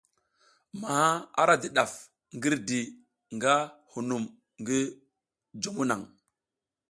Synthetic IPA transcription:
ma˨ha˦a̰˦ɾa˦di˦ɗa˨f | ŋɡi˦ɾdi˨ | ŋɡa˦hu˨nu˨m | ŋɡi˦ | d͡ʒu˦mu˦na˨ŋ

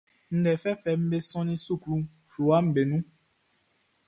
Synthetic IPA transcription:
n̩˦ɖɛ˨fɛ˦fɛ˨m̩˦be˦sɔ̃˦nĩ˦su˦˨kɾu˦ | fu˨wa˦m̩˦be˨nũ˦

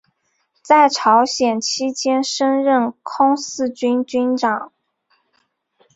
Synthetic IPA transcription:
t͡sa˥˩ɪʈ͡ʂʰɑ˧˥ʊɕjɛ˨˩nt͡ɕʰi˥t͡ɕjɛ˥nʂə˥nɻə˥˩nkʰʊ˥ŋsɹ̩˥˧t͡ɕy˥nt͡ɕy˥nʈ͡ʂɑ˨˩˦ŋ

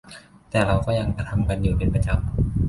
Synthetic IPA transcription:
t̪ɛː˨˩ɾa˧wkɔː˥˩ja˧ŋt͡ɕa˧t̪ʰa˧mka˧njuː˨˩pe˧npa˧t͡ɕa˧m

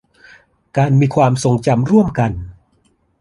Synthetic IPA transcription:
kaː˧nmiː˧kʰwaː˧mso˧ŋt͡ɕa˧mɾu˥˩əmka˧n

